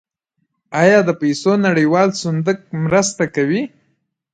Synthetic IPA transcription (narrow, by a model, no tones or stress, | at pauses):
ɑjɑd̪əpajsonaɽəjwɑlsʊnd̪ək̚mɾəst̪akawi